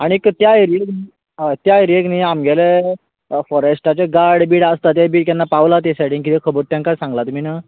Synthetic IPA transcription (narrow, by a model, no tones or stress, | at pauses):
aɽ̃iekːt̪jaiɾikni | t̪jaiɾeɡniamɡɛle | fɔɾesʈat͡ɕeɡaɾɽbiːɽast̪at̪̬jabiːɽkjanːapaʋlat̪̬esaʈiŋkit̪ikʰəbəɾt̪jãŋkasãŋɡlat̪um̤ina